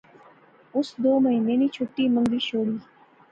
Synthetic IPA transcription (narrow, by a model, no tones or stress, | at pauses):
ʊsd̪oːməɦiːneːniːt͡ʃʰʊʈːiːmə̃ŋɡ̪iːʃoːɽiː